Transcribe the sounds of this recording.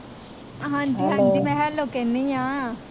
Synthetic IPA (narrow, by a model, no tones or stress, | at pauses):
ɦãːɲd͡ʒiɦãːnd͡ʒimɛ̃ːɦɛloːkenijãː